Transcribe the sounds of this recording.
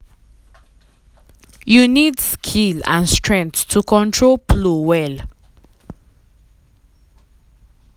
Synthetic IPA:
junidskʰilã̰nstɹɛ̃nθʰukʰɔ̃ntʰɹolplowɛl

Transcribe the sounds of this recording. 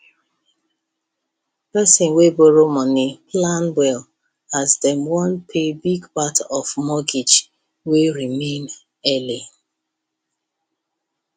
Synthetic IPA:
pɛsɪ̃nweboɹomɔniplãnbɛl | azdɛ̃mwɔ̃npʰebiɡpatɔfmɔɡid͡ʒ | weɹimẽn | ɛli

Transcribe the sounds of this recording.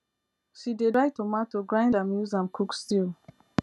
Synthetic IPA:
ʃidedaɪtomatoɡɹãj̃ndãmjuzãmkʰukstil

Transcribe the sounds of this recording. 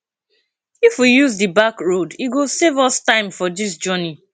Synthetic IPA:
ifwijuzdɨbakɹodiɡosevɔstãɪ̃mfɔdis̬d͡ʒɔni

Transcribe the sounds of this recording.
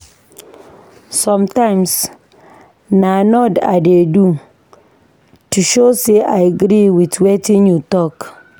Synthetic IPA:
sɔ̃mtãɪ̃ms | nanɔda̰dedu | tuʃoseʔajaɡɾiwitwetĩnjutɔk

